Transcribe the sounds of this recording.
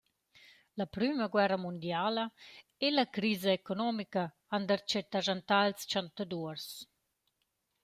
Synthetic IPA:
lapɾyməɡwɛrəmund̪jalə | ɛlakɾiːzəekonɔmika | and̪əɾt͡ʃɛt̪aʒant̪alst͡ʃant̪ad̪uəɾs

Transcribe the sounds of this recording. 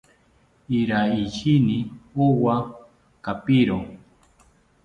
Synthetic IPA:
iɾaiʃiniowa | kapiɾo

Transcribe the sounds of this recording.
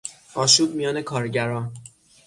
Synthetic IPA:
ɒːʃuːb̚mijɒːne̞kʰɒːɾɟæɾɒːn

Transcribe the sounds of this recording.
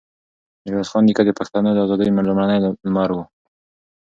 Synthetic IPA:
ɾwɑzxɑnd̪ikad̪əpaxt̪anod̪əazɑd̪əjomelʊmɾanəjlmɑɾwu

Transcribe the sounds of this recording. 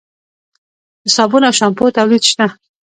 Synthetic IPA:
hɪsɑbunawʃampot̪awlid̪ʃt̪a

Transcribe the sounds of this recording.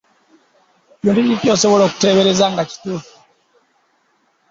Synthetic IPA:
βjuːndunitjoseβoloku̥teβeɾezaŋɡaci̥tufu̥

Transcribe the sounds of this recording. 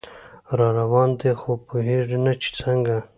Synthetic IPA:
ɾɑːɾawɑːnd̪exopoɦeʐinat͡ʃʰi̥t͡səŋɡa

